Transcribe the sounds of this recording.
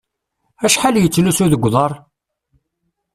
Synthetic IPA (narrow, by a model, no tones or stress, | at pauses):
æʃħaljət͡sːlusuðəɡʷðˤɑɾˤ